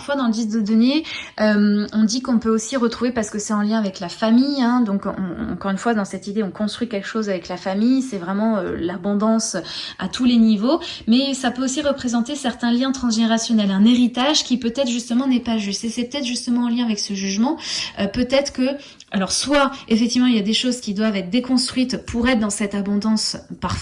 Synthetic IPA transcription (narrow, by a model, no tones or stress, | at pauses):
aʁfwad̪ɑ̃ləd̪is̚d̪əd̪ɔneømɔ̃d̪ikɔ̃pøosiʁət̪χuvepaʁsə̥kəsɛt̪ɑ̃ljɛ̃avɛklafamijɛ̃d̪ɔ̃kɔ̰̃ɑ̰̃kɔʁynfwad̪ɑ̃sɛt̪id̪eɔ̃kɔ̃st̪χɥikʲɛlkə̥ʃozavɛklafamijsɛvʁɛmɑ̃ølabɔ̃d̪ɑ̃sa̰t̪ʰulenivomɛsapøosiʁəpχezɑ̃t̪esɛʁt̪ɛ̃ljɛ̃t̪χɑ̃s̬ʒeneʁasjɔnɛlɛ̃neʁit̪aʒkʲipøt̪ɛt̪χʒyst̪əmɑ̃nɛpaʒyst̪esɛpət̪ɛt̪χʒyst̪əmɑ̃ɑ̃ljɛ̃avɛksəʒyʒmɑ̃øpøt̪ɛt̪χə̥kə | alɔʁswaefɛkt̪ivmɑ̃iljad̪eʃozkʲid̪wavɛt̪χd̪ekɔ̃st̪χɥit̪pʰuʁɛt̪χd̪ɑ̃sɛt̪abɔ̃d̪ɑ̃spaʁf